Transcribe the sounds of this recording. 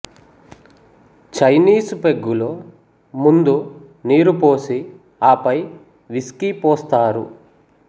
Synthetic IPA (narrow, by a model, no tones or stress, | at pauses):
t͡ʃɐjniːsupeɡːuloː | mund̪u | niːɾupoːsi | aːpɐj | ʋiskipɔːst̪aːɾṵ